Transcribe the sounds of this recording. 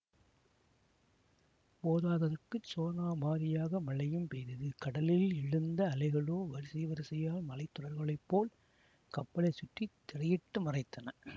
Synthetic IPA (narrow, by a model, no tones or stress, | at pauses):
poːðaːðɐðɐkːɯt͡ʃːoːnaːmaːɾɪjaːɣɐmɐɭɐjɯmpeːɾɪðɯkɐɽɐlɪlɪɻɯnd̪ɐːlɐɪɣɐɭoːʋɐɾɯsɪʋɐɾɪsɪjaːlmɐlɐɪt̪ːʊɽɐɾɣɐɭɐɪpːoːl | kɐpːɐlɐɪsʊʈːit̪ːɛrɐjɪʈːɯmɐrɐɪt̪ːɐnɐ